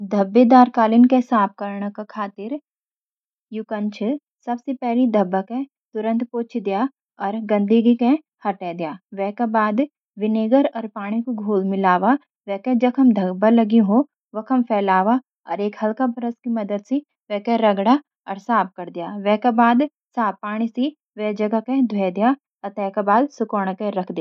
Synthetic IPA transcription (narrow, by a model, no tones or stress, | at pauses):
d̪ʱɐbːed̪aːɾkaːlɪnkesaːb̚kɐɾɳəkakʰaːt̪ɪɾ | jʊkə̃nt͡ʃʰ | sɐbsepɛɦlid̪ʱɐbːəkẽ | t̪ʊɾə̃nt̪poːt͡ʃʰd̪ijaː | ɔːɾɡɐ̃nd̪ʱiɡikẽ | hɐʈɛd̪ijaːʋɛɦkabaːd̪ | ʋɪneːɡəɾɔːɾpaːɽ̃ikoɡʱuːlmɪlaːʋa | ʋɛːkẽd͡ʒɐkɦɐmd̪ʱɐbəlɐɡĩɦo | ʋɐkʰɐmpʰɛːlaːʋa | ɔ̰ːɾeːkhɐlkabɾəskimɐd̪əd̪si | ʋɛːkeɾɐɡɽa | ɔːɾsaːb̚kɐɾd̪ɪjaːʋɛːkabaːd̪ | saːbpːaːɽ̃isi | ʋɛːd͡ʒɐɡakẽd̪ʱwɛd̪ijaː | ɐt̪ɛːkabaːd̪sʊkoːɽ̃kẽɾɐkʰd̪ɪjaː